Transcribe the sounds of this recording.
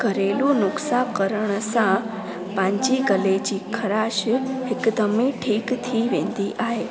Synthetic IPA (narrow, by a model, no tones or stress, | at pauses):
ɡʱəɾelũnʊksãkəɾəɳəsã | pãɲt͡ʃiɡəled͡ʒikʰəɾaʃekd̪əmĩʈʰiːkt̪ʰiʋẽnd̪iʔaɦe